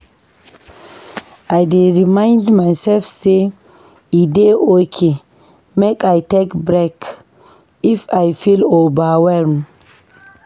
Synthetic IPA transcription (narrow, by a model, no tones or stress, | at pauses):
ajdeɹimãɪndmajsɛlfse | ideʔɔkʰe | mekajtekbɾɛk | ifajfilɔbawɛɾm